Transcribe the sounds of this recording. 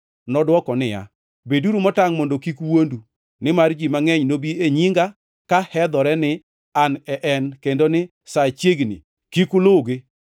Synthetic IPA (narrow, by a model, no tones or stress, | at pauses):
nɔdwɔkɔnɪja̰ | beduɾumɔtaŋmondokikwondu | nɪmard͡ʒimaŋɛɲnobieɲiŋɡa | kahɛd̪ɔɾɛnɪ | anɛʔɛnkendonɪ | sat͡ʃjeɡnḭ | kikʊloɡe